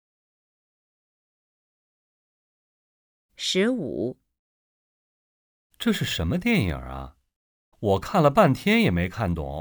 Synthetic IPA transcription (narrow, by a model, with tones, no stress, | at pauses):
ʂɻ̩˧˥ṵ˨˩˦ | ʈ͡ʂɤ˥˧ʂɻ̩˥˩ʂə˧˥nmə˧t̪jɛ˥˩njə̰˞˨˩ɐ̰˦ | wɔ˨˩kʰa˥˩nlə˩pa˥˩nt̪ʰjɛ˥njɛ˨˩me˧˥ɪkʰa˥˩nt̪wɔ̰˥˩